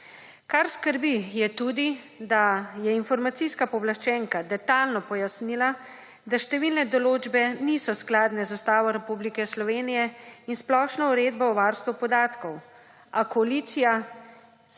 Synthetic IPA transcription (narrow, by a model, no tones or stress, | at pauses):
kaɾskəɾbijɛt̪uːd̪i | d̪ajɛinfɔɾmat̪siskapɔblaʃt͡ʃɛːŋkad̪ɛt̪alnɔpɔjasnila | d̪aʃt̪ɛʋiːlnɛd̪ɔloːd͡ʒbɛniːsɔsklaːd̪nɛzɔst̪aːʋɔɾɛpublikɛslɔʋeːnijɛinsplɔʃnɔuɾeːd̪bɔɔʋaːɾst̪ʋupɔd̪aːt̪kɔw | akɔaliːt̪sija